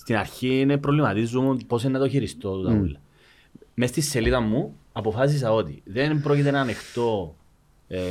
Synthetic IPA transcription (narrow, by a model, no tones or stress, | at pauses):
st̪inɐɾçinepɾovlimɐt̪izːumunpo̞senːɐt̪oçiɾist̪ot̪ut̪ulːɐ | mest̪isːeliðɐmːuɐpo̞fɐs̬is̬ɐo̞t̪ḭðenpɾo̞cit̪enɐːnext̪o̞